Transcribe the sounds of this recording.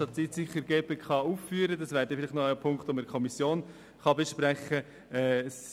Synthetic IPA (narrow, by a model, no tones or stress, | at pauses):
ɑtsiːtsɪχəɾɡeːbəkχɑuːffyːɾədɑsvæːɾdɛfɪlɪχtnɔəpʰʊŋktoməkʰɔmisjoːn | χɑbeʃpɾɛχə | ɛs